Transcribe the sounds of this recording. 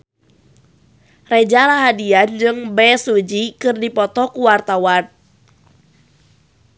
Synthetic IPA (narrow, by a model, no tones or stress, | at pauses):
red͡ʒalaɦadiand͡ʒɨŋbɛsud͡ʒikɨrdipɔt̪ɔkuwart̪awan